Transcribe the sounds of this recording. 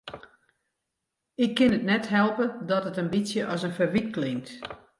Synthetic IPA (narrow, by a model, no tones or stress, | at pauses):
ɪkʰːɪnətnɛtɦɛlˠpədɔtətənbisjəʔɔsənfərʋit̚klɪŋt